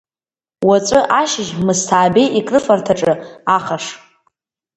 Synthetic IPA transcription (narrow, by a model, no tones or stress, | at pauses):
wat͡sʷʼɨʔaʃɪʒmɨstʰaːbejʔikʼrɨfartʰaʈ͡ʂʼɨaχaʂ